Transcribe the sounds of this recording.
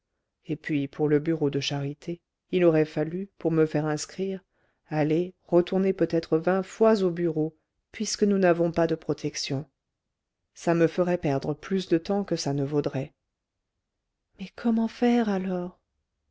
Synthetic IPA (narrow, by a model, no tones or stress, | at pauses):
epɥipʰuʁləbyʁod̪əʃaʁit̪ʰe | ilɔʁɛfalypuʁməfɛʁɛ̃skχiʁ | aleʁət̪uʁnepøt̪ɛt̪χəvɛ̃fwazobyʁo | pɥiskənunavɔ̃pad̪əpχɔt̪ʰɛksjɔ̃ | saməfəʁɛpɛʁd̪ʁəplys̬d̪ət̪ɑ̃kəsanəvod̪ʁɛ | mɛkʰɔmɑ̃fɛʁalɔːʁ